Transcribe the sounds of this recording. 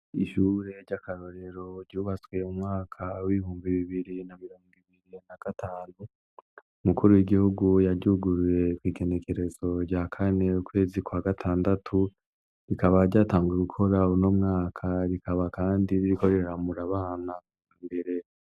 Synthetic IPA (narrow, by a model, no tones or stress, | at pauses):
iʃuɾe̞ɾɟakaɾo̞ɾe̞ɾo̞ɾɟuːβat͡swe̞umŋaːkʰawiβihuːmbiβiβiɾinamiɾoːŋɡiβiɾinaɡ̥atʰaːnu | umukuɾujiɡihuɡujaɾɟuɡuɾuɾe̞kwiːɡe̞ne̞ke̞ɾe̞zo̞ɾɟakʰane̞ukwe̞ːzikwaɡatʰaːndatʰu | ɾikaβaɾɟaːtaːŋɡueɡukʰo̞ɾauno̞mŋaːkʰaɾikʰaβakaːndiβiɾiko̞ɾe̞ɾɾamuɾaβaːna | mbe̞ɾe̞